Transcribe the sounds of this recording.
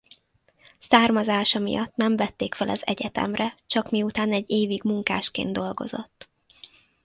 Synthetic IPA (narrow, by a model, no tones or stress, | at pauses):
saːrmɒzaːʃɒmḭjɒt̪nɛɱvɛt̪ːeːkfɛlʔɒzɛ̰ɟɛt̪ɛ̰mrɛt͡ʃɒkmiut̪aːnɛɟːeːviɡmuŋka̰ːʃkḛːnd̪o̞lɡo̞̰zo̞̰t̪ː